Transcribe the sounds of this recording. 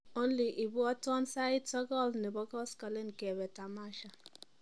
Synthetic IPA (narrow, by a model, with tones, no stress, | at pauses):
o˦n̩˦li˨ʔi˨bu˦ɔ˦tʊ˦ɔ˦n̩˦sa˦ɪ˦tɔ˦ɡɔ˦lne˨bɔ˦ɡɔ˦skɔ˨le˦n̩˨ke˨be˨ta˨ma˦ʃa˨